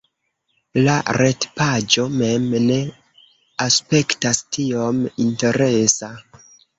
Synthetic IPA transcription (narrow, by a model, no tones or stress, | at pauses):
la̰ɾe̞tpad͡ʒo̞me̞mne̞ | aspe̞ktastio̞minte̞ɾe̞sa